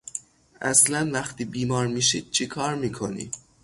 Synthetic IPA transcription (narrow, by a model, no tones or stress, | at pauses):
ʔæslænvæxt̪ʰiːbiːmɒːɾmiːʃiːd̪̥̚t͡ʃʰekʰɒːɾmiːkʰonḭ